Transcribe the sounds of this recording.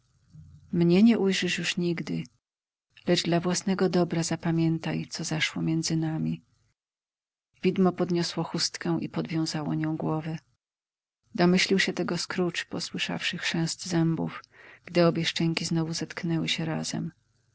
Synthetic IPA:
mɲɛɲɛʔujʐɘʂjuʂɲiɡd̪ɘ | lɛʐd̪lavwasnɛɡɔd̪ɔbɾazapamʲjɛnt̪ajt̪sɔzaʂwɔmʲjɛnd̪zɘnamʲi | vʲid̪mɔpɔd̪ɲɔswɔxust̪kɛ̃w̃ʔipɔd̪vʲjɔ̃w̃zawɔ̰ɲɔ̃w̃ɡwɔvɛ | d̪ɔmɘɕlʲiwɕɛt̪ɛɡɔskɾut͡ʂpɔswɘʂa̰fʂɘxʂɛ̃zd̪zɛmbṵfɡ̥d̪ɘɔbʲjɛʂt͡ʂɛɲʲkʲiznɔvuzat̪knɛwɘɕɛɾa̰zɛ̰m

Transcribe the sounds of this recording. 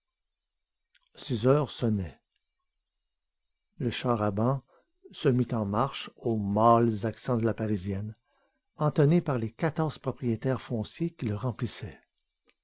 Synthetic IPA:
sizœːʁsɔnɛ | ləʃaʁabɑ̃ | səmit̪ɑ̃maʁʃomalzaksɑ̃d̪əlapaʁizjɛn | ɑ̃t̪anepaʁlekat̪ɔʁz̥pʁɔpʁijet̪ɛʁfɔ̃sjekʲiləʁɑ̃plisɛ

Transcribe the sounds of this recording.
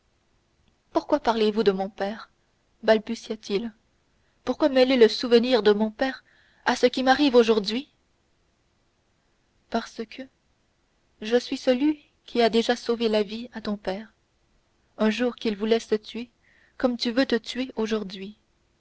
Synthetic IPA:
puʁkwapaʁlevud̪əmɔ̃pɛːʁ | balbysjat̪ʰil | puʁkwamɛleləsuvəniːʁd̪əmɔ̃pɛːʁ | asəkʲimaʁivoʒuʁd̪ɥi | paʁsəkʰə | ʒəsɥisəlɥi | kʲʰiad̪eʒasovelaviat̪ɔ̃pɛːʁ | œ̃ʒuːʁkilvulɛsət̪ɥe | kɔmt̪yvøt̪ət̪ʰɥeoʒuʁd̪ɥi

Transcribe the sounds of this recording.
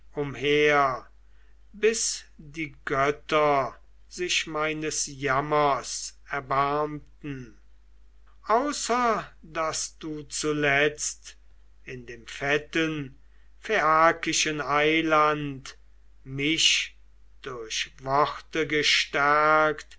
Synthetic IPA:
ʊmheːɐ | bɪs | diːɡœtɐ | zɪʃmaɪnəsjamɐs | ɛɐbaɐmtn̩ | ʔaʊsɐdasd̥uːt͡sulɛt͡st | ɪndeːmfɛtən | feaːkɪʃənaɪlant | mɪʃ | d̥ʊɐɕvɔχtəɡəʃtæɐkt

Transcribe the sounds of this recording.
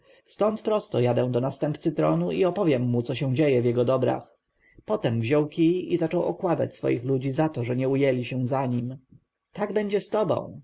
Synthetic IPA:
st̪ɔnt̪pɾɔst̪ɔjad̪ɛw̃d̪ɔnast̪ɛmpt̪sɘt̪ɾɔnuʔiɔpɔvʲjɛmːut̪sɔɕɛw̃d͡ʑejɛvʲjɛɡɔd̪ɔbɾa̰x | pɔt̪ɛmvʑɔwkʲijizat͡ʂɔwɔ̰kwad̪a̰t͡ɕsfɔ̰jixlud͡ʑizat̪ɔʐɛɲɛujɛlʲiɕɛzaɲim | t̪aɡbɛɲd͡ʑɛst̪ɔbɔ̰̃w̃

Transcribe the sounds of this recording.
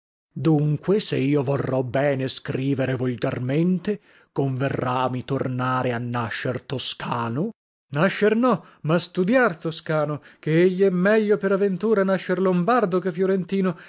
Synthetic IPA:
d̪uŋkweseiːovorːɔbɛːneskɾiːveɾevolɡarment̪e | koɱverːamit̪o̰rnaːɾeanːaʃːert̪oskʰaːno | naʃːernɔ | mast̪ud̪jart̪oskaːnokeeʎːiɛmːɛʎːopeɾavent̪uːɾanaʃːeɾlombard̪okefjoɾent̪iːno

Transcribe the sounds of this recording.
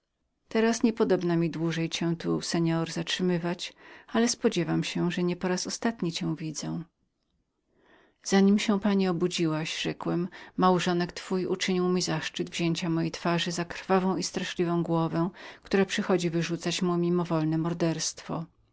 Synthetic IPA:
t̪ɛɾasɲɛpɔd̪ɔbnamʲid̪wuʐɛjt͡ɕɛw̃t̪usɛɲɔɾzatʂɘmɘvat͡ɕalɛspɔd͡ʑɛvamɕɛʐɛɲɛpɔɾasɔst̪at̪ɲit͡ɕɛ̃w̃vʲid̪zɛ̃ | z̥aɲimɕɛ̃paɲiɔbud͡ʑiwaɕʐɛkwɛmːawʐɔnɛkt̪fujut͡ʂɘɲiwmʲizaʂt͡ʂɨd̪vʑeɲt͡ɕamɔjejt̪faʐɘzakɾfavɔ̃w̃ist̪ɾaʂlʲivɔ̃w̃ɡwɔvɛ̃kt̪uɾapʂɨxɔd͡ʑivɘʐut̪sat͡ɕmumʲimɔvɔlnɛmɔɾd̪ɛɾst̪fɔ̰

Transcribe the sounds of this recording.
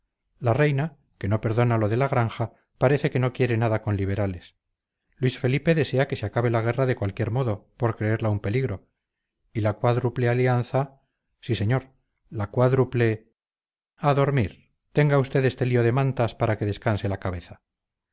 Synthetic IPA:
larejna | ke̞no̞pe̞ɾðo̞nalo̞ðe̞laɣ̞ɾaŋxa | paɾe̞θe̞ke̞no̞kje̞ɾe̞naðako̞nliβ̞e̞ɾale̞s | lwisfe̞lipe̞ðe̞se̞ake̞seakaβ̞e̞laɣ̞e̞raðekwalkje̞ɾmo̞ðo̞po̞ɾkɾe̞eɾlaumpe̞liɣɾo̞ | ilakwaðɾuplealianθa | sise̞ɲo̞ɾ | lakwaðɾuple̞ | aðo̞ɾmiɾ | t̪e̞ŋɡaust̪e̞ðe̞st̪e̞lio̞ðe̞mãnt̪aspaɾake̞ðe̞skanse̞lakaβ̞e̞θa

